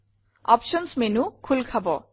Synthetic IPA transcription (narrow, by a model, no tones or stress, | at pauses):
ɔ̰pʃɔnsmenukʰulkʰabɔ